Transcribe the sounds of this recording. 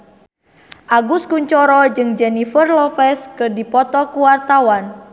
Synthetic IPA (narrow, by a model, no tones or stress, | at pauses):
ʔaɡuskuɲt͡ʃɔɾɔd͡ʒɨŋd͡ʒɛnifərlɔfɛskɨrdipɔt̪ɔkuwart̪awan